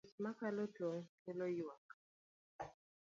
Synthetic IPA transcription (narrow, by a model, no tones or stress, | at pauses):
smakalɔt͡ɬɔŋkɛlɔjiwak